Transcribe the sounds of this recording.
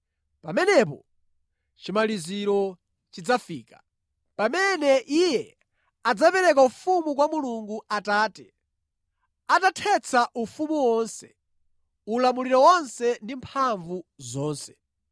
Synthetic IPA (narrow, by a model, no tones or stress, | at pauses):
pamɛnɛpɔ̰ | t͡ʃimaliziɾɔ | t͡ʃid͡zafiːka | pamɛnɛʔijɛ | ad͡zapɛɾɛk̬aufumuk̬wamuluŋɡuataːtɛ | atatʰɛt͡sʰaʔufumuwɔnsɛ̥̰ | ulamuliɾɔwɔnsɛndimpʰaɱvuzɔːnsɛ̥